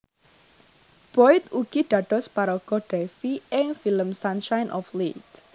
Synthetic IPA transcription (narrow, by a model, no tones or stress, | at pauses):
b̥ɔɪt̪uɡ̥iɖ̪̥ä̤d̪̥ɔ̤spaɾɔɡ̥ɔ̤ɖ̥ɛfiɪŋfiləmsanʃajnʔɔflit̪